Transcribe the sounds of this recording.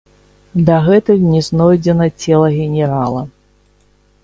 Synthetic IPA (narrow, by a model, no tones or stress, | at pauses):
d̪ɐɣɛt̪ɨnʲɛznɔjd͡zʲɛnɐt͡sʲɛlˠɐɣʲɛnʲɛɾalˠɐ